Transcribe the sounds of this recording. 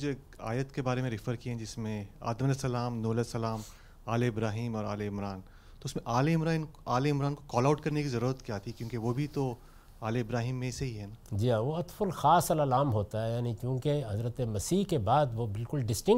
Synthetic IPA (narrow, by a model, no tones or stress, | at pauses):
d͡ʒoeːka̰ːjət̪kebaːɾemẽɾɪfəɾkiɦɛ̃d͡ʒɪsmẽa̰ːd̪əmɐlesɐlaːmnuːlesɐlaːm | aːleɪbɾaːɦiːmɔːɾaːleɪmɾaːn | t̪oʊɪsmẽʔaːleɪmɾaːɪnaːleɪmɾaːnkokɔːlaʊʈkɐɾnekizɐɾuːɾət̪kjaːt̪ʰikjõːkeʋobʱit̪o | aːleɪbɾaːɦiːmːẽseɦiɦɛːnaːd͡ʒiːaːʋoɐt̪fəlxaːsɐlɐlaːmɦoːt̪aɦɛjaːnikjõːkeɦɐzɾət̪emɐsiːkebaːd̪ʋobɪlkʊlɖɪsʈɪ̃ŋ